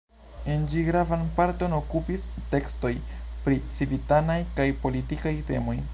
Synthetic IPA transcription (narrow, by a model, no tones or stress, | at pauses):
end͡ʒiɡɾavanpaɾto̞no̞kupiste̞ksto̞jpɾit͡sivitanajkajpo̞litikajte̞̰mo̞j